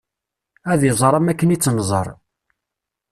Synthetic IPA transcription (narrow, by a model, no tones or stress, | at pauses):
æðjəzˤɾˤɑmækːənit͡sːnzˤə̰ɾˤ